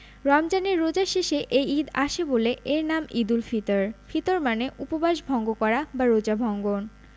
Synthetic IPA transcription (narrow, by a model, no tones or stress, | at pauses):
ɾɔmd͡ʑaneɾːod͡ʑaʃeʃeʔejid̪aʃeboleʔeɾnamid̪ulfit̪oɾfʰit̪oɾmaneʔupobaʃbʱɔŋɡokɔɾabaɾod͡ʑabʱɔŋɡon